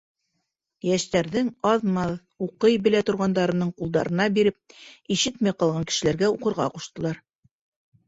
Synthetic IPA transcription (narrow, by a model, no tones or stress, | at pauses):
jæʃt̪æɾðɘŋɑðmɑð | uqɤjbɘ̆læt̪ŏɾʁɑnd̪ɑɾɤ̆nɤɴqulˠd̪ɑ̰ɾɤ̆nɑbiɾɘp̚iʃɘt̪mæjqɑlˠʁɑŋkɘ̥̆ʃɘ̆læɾɡæuqɤ̆ɾʁɑ̰quʃt̪ɤ̆lˠɑɾ